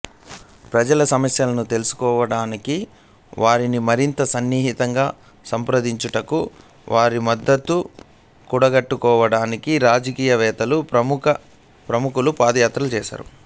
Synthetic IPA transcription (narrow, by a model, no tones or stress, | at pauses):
pɾɐd͡ʒɐlɐsɐmɐsjɐlɐnut̪e̞lusu̥kɔːʋɐɽaːniki | ʋaːɾinimɐɾint̪ɐsɐnːiːɦit̪ɐŋɡaː | sɐmpɾɐd̪iɲt͡ʃuʈɐku | ʋʔaːɾimɐd̪ːɐt̪ːu | kuɽɐɡɐʈːukɔːʋɐɽaːnikiɾaːd͡ʒɐkiːjɐʋɛːt̪ɐluɐmkɐ | pɾɐmukulupaːd̪ɐjaːt̪ɾɐlut͡ʃɛːʃa̰ːɾṵ